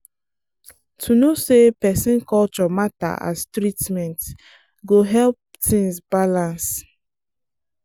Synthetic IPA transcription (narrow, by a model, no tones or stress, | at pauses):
tʰunosepɛsĩnkɔlt͡ʃɔmata̰ʔa̰stɹitmɛ̃nt | ɡoɦɛlp̚ | tĩŋsbalãns